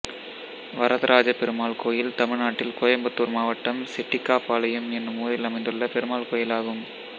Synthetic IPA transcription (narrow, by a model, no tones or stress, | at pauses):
ʋɐɾɐðɐɾʔaːd͡ʒɐpɛɾɯmaːlkoːjɪlt̪ɐmɪɻnaːʈːɪlkoːjɐmbɐt̪ːuːɾmaːʋɐʈːɐmsɪʈːɪkːaːpaːlɐjɐmɛnːɯmuːɾɪlɐmɐɪnd̪ɯɭːɐpɛɾɯmaːlkoːjɪlaːɣɯm